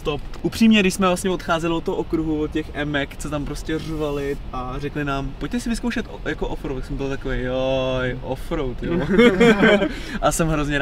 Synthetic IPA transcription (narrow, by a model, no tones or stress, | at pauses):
st̪opʔupr̥iːmɲɛdɪʃsmɛvlast̪ɲɛvo̞t̪xaːzɛlɪot̪ːoɦoʔokɾuɦuvot̪̚cɛxʔɛmɛkt͡sot̪ampɾoscɛrvalɪarɛklɪnaːmpoc̚t̪ɛsɪvɪskowʃɛt̪ | jakoʔofɾowt̪aksɛmbɪlt̪akovejojʔofɾowt̪jo | ʔasɛmɦɾo̞zɲɛɾ